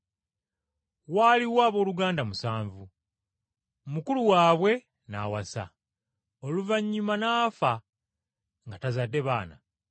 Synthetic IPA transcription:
waːliwaːβo̞ːluɡaːndamusaːɱvu | mukuluwaːβwe̞ | na̰wasa̰ | oluvaɲːumanaːfa | ŋɡatazadːe̞βaːna̰

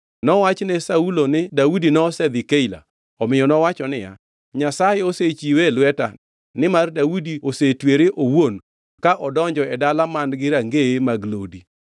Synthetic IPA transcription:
nɔwat͡ʃnɛsaulonɪdawudinɔsɛd̪ɪkeila̰ | ɔmɪjɔnɔwat͡ʃɔnɪja̰ | ɲasajɛoset͡ʃiwelwɛta̰ | nɪmardawudiosetweɾeʔowon | kaʔɔdɔɲd͡ʒɔɛdalamandɡɪɾaŋɡeemaɡlo̰di

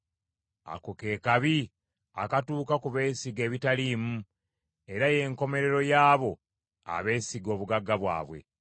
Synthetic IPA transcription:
a̰koke̞ːkaβi | a̰katuːkakuβe̞ːsiɡe̞ːβitaliːmu | e̞ɾaje̞ŋko̞me̞ɾe̞ɾo̞jaːβo̞ | a̰βe̞ːsiɡo̞ːβuɡaɡːaβwa̰ːβwe̞̰

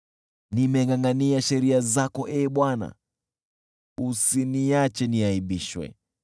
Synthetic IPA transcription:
nimɛŋaŋɡaniaʃɛɾiazakɔʔɛɓwana̰ | usiniat͡ʃɛniaiɓiʃwɛ̰

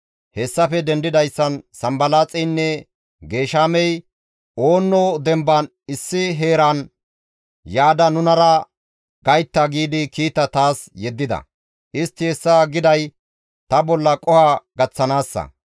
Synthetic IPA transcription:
hɛsːɐfɛd̪ɛnd̪ɪd̪ɐjsːɐnsɐmbɐlaːt͡sʼɛjnːɛ | ɡe̞ːʃaːmɛj | o̞ːnːɔd̪ɛmbɐn | ɪsːɪɦe̞ːɾan | jaːd̪ɐnʊnɐɾɐ | ɡɐjt̪ːɐɡiːd̪ɪkiːt̪ːɐt̪aːsjɛd̪ːɪd̪ɐ̰ | ʔɪst̪ːɪhɛsːaɡɪd̪ɐj | t̪ɐbɔlːɐkʼɔhaɡɐt͡sːɐnaːsːɐ̰

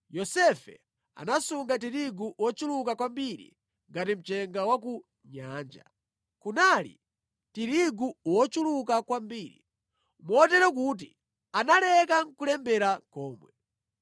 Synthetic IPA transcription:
jɔsɛfɛ̰ | a̰nasuŋɡatiɾiɡuʔwɔt͡ʃulukakwambiɾḭ | ŋɡatim̩t͡ʃɛŋɡawak̬u | ɲaːnd͡ʒa̰ | kunaːlḭ | tiɾiɡuwɔt͡ʃulukakwambiːɾḭ | mɔtɛɾɔk̬ut̬i | analɛkaŋ̩kulɛmbɛɾakɔːmwɛ

